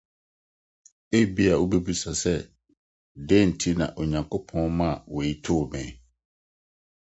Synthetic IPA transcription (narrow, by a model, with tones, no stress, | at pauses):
e˦bi˦a˨o˦bɛ˦bu˦sa˨sɛ˦ | de˦˨n̩˨tʰi˦nã̰˨ʔo˨ɲã˨ŋkʰʊ˦pʰɔ̃˦nmã˦˨we˨i˦tʰʊ˦˨mɛ̃˨˦